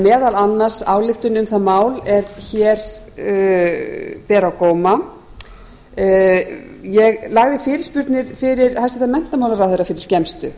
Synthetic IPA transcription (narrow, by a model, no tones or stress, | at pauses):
mɛːðalanːaɾ̥saːwlɪxt̪ʏnʏmθaðmaːwlɛɾçɛːɾ | pɛːɾawkowma | jɛɣlaɣðɪfɪːɾɪ̥ɾspʏɾt̪nɪɾ̥fɪɾɪɾhajst̪ɪ̥θamɛn̥t̪amaːwlaɾawθejɾafɪɾɪɾ̥scɛmst̪ʏ̰